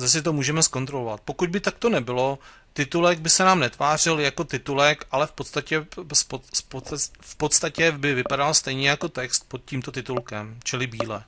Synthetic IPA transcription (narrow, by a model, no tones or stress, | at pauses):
zas̬ɪt̪̬o̞muːʒɛmɛsko̞nt̪ɾo̞lo̞vat̪̚po̞kud̪̚bɪt̪ak̚t̪o̞nɛbɪlo̞ | t̪ɪt̪ulɛɡ̚bɪsɛnaːmnɛt̪vaːr̝ɪljako̞t̪ɪt̪ulɛkʔalɛfpot̪st̪acɛspopofpot̪st̪acɛbɪvɪpadalst̪ɛjɲɛjako̞t̪ɛkst̪̚pot̪̚ciːmt̪o̞t̪ɪt̪ulkɛmt͡ʃɪlɪbiːlɛ